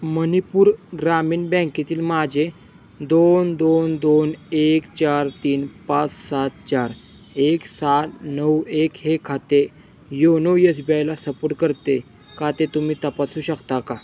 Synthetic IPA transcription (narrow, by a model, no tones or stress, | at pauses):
mənipuːɾɡɾamiːnbɛ̃ket̪iːlmad͡ʑʱe | d̪ond̪ond̪onekt͡ɕaɾt̪iːnpat͡ssat̪̚t͡ɕaɾ | eksat̪nəwekɦekʰːat̪e | jonəwjəsbjajlasəpoɽʈkəɾt̪e | kat̪et̪umiːt̪əpasũːɕəkt̪aka